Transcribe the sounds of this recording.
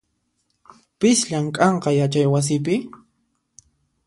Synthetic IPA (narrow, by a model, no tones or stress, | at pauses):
pɪsʎamkʼɑɴqɑjat͡ʃajwas̬ɪp̬ɪ